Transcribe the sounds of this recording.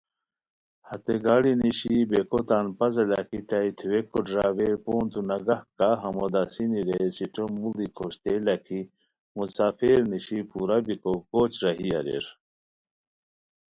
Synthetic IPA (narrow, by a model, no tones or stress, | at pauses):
hɐt̪eɡaːɽiniɕibekot̪aːnpɐzɐlɐkit̪ɐit̪ʰwekoɖɾaːweɾpoːnt̪unɐɡɐhkaɦɐmod̪asiniɾesiʈʰomulikʰoɕt̪elɐkʰi | musaːfeɾniɕipuːɾabikokoːt͡ɕɾɐɦiɐɾḛɾ